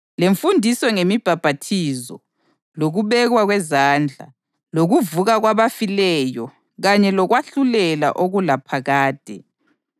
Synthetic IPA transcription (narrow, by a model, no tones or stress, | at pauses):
leɱfundʱisɔŋemib̥ʱab̥ʱatʰizɔ̰ | loɣuβɛɣwaɣwɛzaːnd͡ɮʱa̰ | loɣuvuɣaɣwaβafilɛjɔ | ɣaɲɛlɔɣwaɬulɛla̰ʔoɣulapʰaɣaːd̥ʱɛ̰